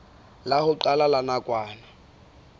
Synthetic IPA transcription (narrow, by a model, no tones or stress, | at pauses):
lahʊǃalalanakʼwaːna